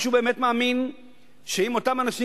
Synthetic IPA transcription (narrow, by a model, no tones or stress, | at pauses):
ʃubeːme̞t̪maːmin | ʃeimo̞t̪amanaʃi